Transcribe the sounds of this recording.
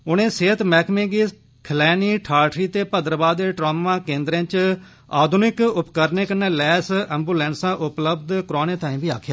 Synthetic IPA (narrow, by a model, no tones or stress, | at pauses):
ʊnẽːseːət̪mɛːkmẽːɡiːs | kʰəlɛːniːʈʰaːʈɾiːt̪eːpəd̪əɾəbaːd̪eːʈɾoːmãːkẽːnd̪ɾẽːt͡ʃ | a̰ːd̪ʱʊnɪkʊpkəɾneːkəneːlɛːsɛ̃ːmbuːlɛːnsãːʔʊpləbd̪kɾoːnẽːt̪ãːĩːbiːa̰ːkʰjaː